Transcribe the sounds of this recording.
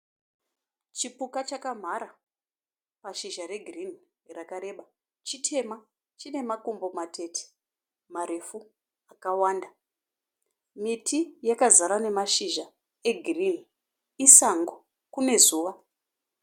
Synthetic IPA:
t͡ʃipukat͡ʃakam̤aɾa | paʃiʒaɾe̞ɡʱirin | rakaɾe̞ɓa | t͡ʃitʰe̞ma | t͡ʃine̞makombo̞matʰe̞tʰe̥ | maɾe̞fu | akawaːnda | mitʰijakazaɾane̞maʃiʒa | e̞ɡʱirin | isaŋɡo | kune̞zuːʋa

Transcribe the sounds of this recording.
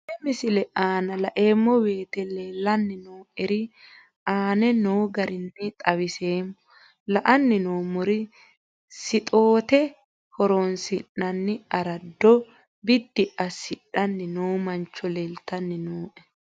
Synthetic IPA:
ɪmɪsɪlɛʔaːnɐlɐʔeːmːɔbe̞ːt̪ɛleːlːɐnːɪnoːʔɛɾɪ | aːnɛnoːɡɐɾɪnːɪt̪ʼɐwɪseːmːɔ | lɐʔɐnːɪnoːmʊɾɪ | sɪt̪ʼoːt̪ɛ | hɔɾonsɪnːɐnːɪɐɾɐd̪ːɔ | bɪd̪ːɪʔɐsɪᶑɐnːɪnoːmɐnt͡ʃːɔleːlt̪ːɐnːɪnoːʔɛ

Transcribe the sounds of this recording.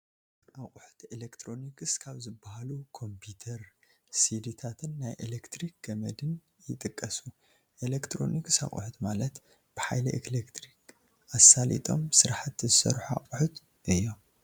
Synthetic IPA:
ʔaχʼuħu̥t̪elekt̪ʰɾo̞nikʰɨskʰaβzɨbːahalukʰo̞mpʰut̪ʰɐɾ | sid̪it̪ʰat̪ʰɨnːajʔḛlekt̪ɾik̚ɡɐmɐd̪ɨn | jɪt̪ʼɨkʼːɐsu | ʔelekt̪ʰɾo̞̰nikɨsa̰χʼṵħut̪malɐt̪ | b̥ɨħajlɐ̰ʔeklekt̪ʰɾik | ʔasalḭt̪ʼo̞̰msɨɾaħat̪zɨsɐ̰ɾħua̰χʼuħut̪ | ʔɨjːom

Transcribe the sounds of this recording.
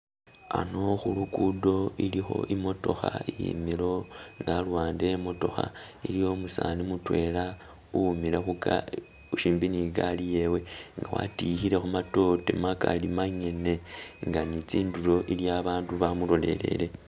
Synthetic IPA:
ano̞xulukudo̞ilixo̞̰ʔimo̞to̞̰xaijḭmilo̞ŋɡalwaːndemo̞to̞xailijo̞musaːnimutwe̞la | umilexuka̰ | uʃiːmbiniɡalije̞we̞ŋɡawa̰tixiɾe̞xumato̞tḛmakalimaɲe̞ne̞ŋɡanit͡siːnduɾo̞ʔiljaβaːnduβamulo̞le̞̰le̞̰le̞

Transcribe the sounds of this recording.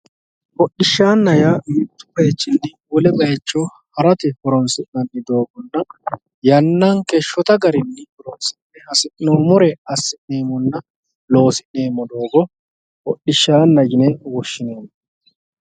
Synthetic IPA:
hɔɗːɪʃːaːnːɐjamɪt̪ːʊ̥bɐjɛt͡ʃːɪnːɪwɔlɛbɐjɛt͡ʃːoː | hɐɾɐt̪ɪhɔɾɔnsɪʔnɐnːɪd̪o̞ːɡɔnːɐ | jɐnːɐŋkeʃːɔt̪ɐɡɐɾɪnːɪhɔɾɔnsɪnːɛhɐsɪʔnoːmʊɾɛɐsːɪʔne̞ːmːɔnːɐ | lo̞ːsɪʔne̞ːmːɔd̪o̞ːɡɔ | hɔɗːɪʃːaːnːɐɡɪnɛwɔʃːɪneːmːɔ

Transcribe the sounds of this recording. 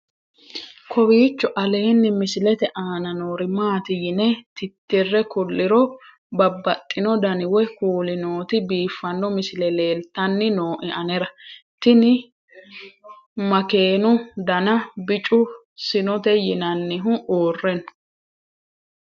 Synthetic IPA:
kʰɔwiːt͡ʃːɔʔɐle̞ːnːɪmɪsɪlɛt̪ɛʔaːnɐnoːɾɪmaːt̪ɪjɪnɛt̪ɪt̪ːɪrːɛkʊlːɪɾɔ | bɐbːɐt̪ʼːɪnɔd̪ɐnɪwɛkuːlɪnoːt̪ɪbiːfːɐnːɔmɪsɪlɛle̞ːlt̪ːɐnːɪnoːʔɪʔɐnɛɾɐt̪ɪnɪ | mɐke̞ːnʊd̪ɐnɐbɪt͡ʃʼʊ | sɪnɔt̪ɛjɪnɐnːɪɦʊʔoːrːɛnʊ̥

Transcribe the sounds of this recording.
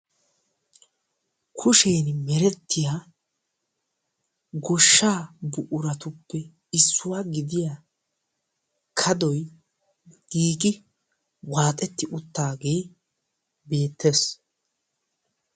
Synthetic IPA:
kʰʊʃeːnmɛɾɛt̪ʰːɪjaː | ɡɔʃːaːbʊʔʊɾɐt̪ʊpːɛ | ɪsːʊwaːɡɪd̪ɪja | kʰɐd̪ɔj | ɡ̥iːɡɪ | waːt̪ʼɛt̪ːɪʔʊt̪ːaːɡe̞ː | be̞ːt̪ʰːes

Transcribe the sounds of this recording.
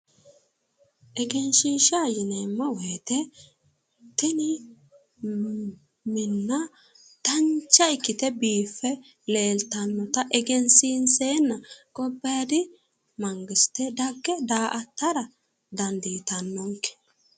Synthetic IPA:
ʔɛɡɛnʃiːʃaːjɪnɐmːɐweːt̪ɛ | t̪ɛnɪ | mɪnːɐ | t̪ɐnt͡ʃːɐɪkːɪt̪ɛbiːfːɛ | leːlt̪ɐnːɔt̪ɐʔɛɡɛnsiːnseːnːɐkɔbːɐad̪ɪ | mɐŋɡɪsɪ̥t̪ɛd̪ɐɡːɛd̪aːʔɐt̪ːɐɾɐ | d̪ɐnd̪iːt̪ɐnːɔŋkɛ̥

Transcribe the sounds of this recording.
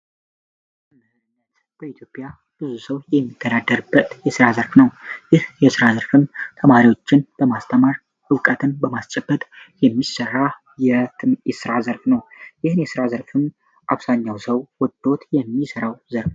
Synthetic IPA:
at̪ | b̥əit̪ʰjo̞pʼja | b̥ɨzusəwjɛmːit̪ʰːəd̪ad̪ːəɾɨbːət̪jɛsɨɾazəɾfnəwjɪhjɛsɨɾazəɾfɨmt̪ʰəmaɾiwo̞t͡ʃːɪnb̥əmast̪ʰəmaɾ | ʔɨwkʼət̪ʰɨnbəmast͡ʃʼɛb̥ːət̪ʼjɛmːisərːa | jɛt̪ɨjɛsɨɾazəɾfnəwjɪhɨnjɛsɨɾazəɾfɨm | ʔaβsaɲːawsəwwɔd̪ːo̞t̪jɛmːisəɾawzəɾf

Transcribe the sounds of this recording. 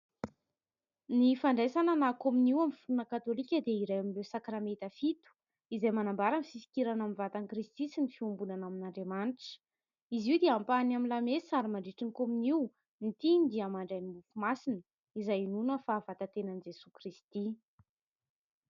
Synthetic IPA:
nifaɳɖ͡ʐesananakominiwamifuunəkat̪olikʲəd̪eiɾajamilewsakɾamet̪əfit̪u̥ | izajmanambaɾanifisi̥kʲiɾanamivat̪anikrist̪isinifiumbunanaminaɳɖ͡ʐemanʈ͡ʂə̥ | iziwd̪eampanamilamesaɾimaɳɖ͡ʐiʈ͡ʂinkominiw | nit̪inid̪iamaɳɖ͡ʐajnimufumasinə | izajinunəfaːvat̪at̪enənid͡ʒesukɾist̪i

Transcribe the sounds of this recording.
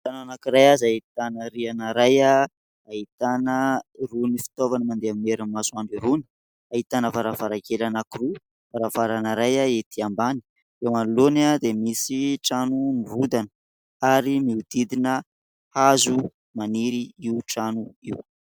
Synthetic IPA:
ʈ͡ʂananakiɾajazait̪anəɾianaɾaja | ait̪anərunifi̥t̪ovanəmand̪eamimeɾamasuaɳɖ͡ʐiɾuni̥ | ait̪anəvaɾafaɾakelanakiru | vaɾavaɾanaɾajaet̪ʰiambani̥ | ewmalulonad̪emisiʈ͡ʂanumivud̪anə̥ | aɾimiud̪̥id̪inə | hazu | maniɾiiuʈ͡ʂanuiw

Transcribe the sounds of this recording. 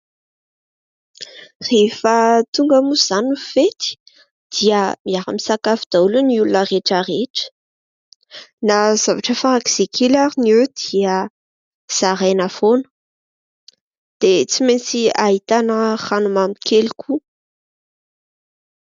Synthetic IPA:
refət̪uŋɡəmuz̥anufet̪i̥ | d̪̥iəmiaɾə̰misakafid̪̥auluniulunəreʈ͡ʂareʈ͡ʂə̥ | nazavaʈ͡ʂəfaɾaki̥z̥ekʰelaɾinewd̪̥iə | z̥aɾajnafonə̥ | d̪̥et͡siment͡siaɦit̪anəχanumamikʰelikʰu

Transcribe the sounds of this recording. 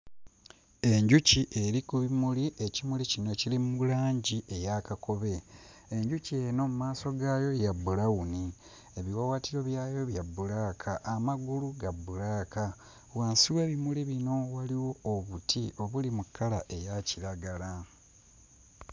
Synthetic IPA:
e̞ɲɟuciʔe̞ɾikuβimuliʔe̞cimulicino̞cilimulaːɲɟiʔe̞jakako̞βe̞ːɲɟucie̞no̞mumaːso̞ɡajo̞jabulawuni | eβiwawatiɾo̞βjaːjo̞βjabːulaːkʰaʔːmaɡuluɡabːulaːka | waːnsiwe̞βimuliβino̞waliwo̞ːβutʰiʔo̞βulimukːalaʔe̞jaciɾaɡala

